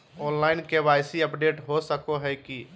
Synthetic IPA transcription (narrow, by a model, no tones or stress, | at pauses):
ɔ̃ːnlaːɪnkeʋaːɪsiəpɖeːʈɦosəkoɦɛki